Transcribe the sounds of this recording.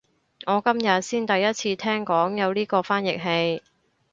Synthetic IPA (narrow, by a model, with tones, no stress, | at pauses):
ŋɔː˨˧kɐ˥mjɐ˨t̚siː˥nt̪ɐ˨jːɐ˥t̚t͡sʰiː˧t̪ʰɛː˥ŋkɔː˨˥ŋjɐ˨˧wliː˥kɔː˧faː˥njɪ˨˩k̚ɦe˧j